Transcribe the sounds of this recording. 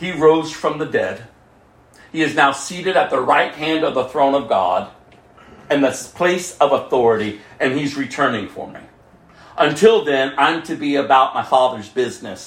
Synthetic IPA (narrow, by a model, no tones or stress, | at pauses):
hiɹoʊz̥fɹʌ̃mðɨdɛ̰d̥̚ | hiɨznaʊsiɾɨɾɨt̪̚ðəɹaɪt̚hæ̃ndʌvðəθɹõʊ̃nʌvɡɑ̰ɾ | ɨ̃nðɨspʰl̥eɪsʌvəθɔɹɨɾiʔɨ̃nizɹitʰɜ̃˞nɪ̃ŋfə̰˞mḭ | ʔə̃ntʰɪlˠðɨ̃nãɪ̃mtʰɨbiɨbaʊt̚maɪfɑðə˞zbɪznɨs